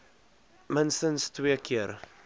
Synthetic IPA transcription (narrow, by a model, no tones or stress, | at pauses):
mənstənstwiəkʰiəɾ